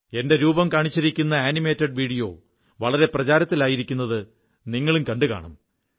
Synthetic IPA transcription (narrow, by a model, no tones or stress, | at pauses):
e̞nde̞ɾuːbɐmkaːɳit͡ɕːiɾikʲːunːɐaːnime̞ːtːɐɖʋiːɽijo̞̰ː | ʋɐɭɐɾe̞prɐt͡ɕaːɾɐt̪ːilaːjiɾikʲːunːɐðɨ | niŋːɐɭumkɐɳɖɨka̰ːɳɐ̰m